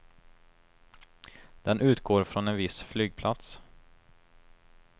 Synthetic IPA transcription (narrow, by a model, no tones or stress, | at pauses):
d̪̥ɛnʔʉ̟ːt̪ɡoːɾfɾɔnɛnvɪsflyːɡ̚pʰlʔat̪s